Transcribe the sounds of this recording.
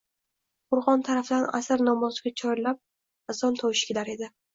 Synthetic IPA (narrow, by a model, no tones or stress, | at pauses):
qʰʊɾʁɒnt̪ʰaɾafd̪ana̰sɪɾnɒmɒzɡʲat͡ʃʰɒjlap̚ | asɒnt̪ʰɒwʃɪ̥kʲlaɾe̞d̪ɪ